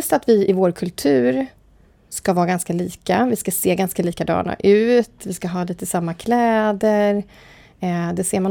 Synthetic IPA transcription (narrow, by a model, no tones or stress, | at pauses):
st̪at̪vɪɪvoːɾkʰɵlt̪ʰʉ̟ːɾ | skavɑːɾɡanskaliːkavɪskaseːɡanskaliːkad̪ɑ̰ːɳa̰ʔʉ̟ːt̪vɪskaɦɑːliːt̪əsamːakʰlɛːd̪əɾ | d̪ɛseːɾman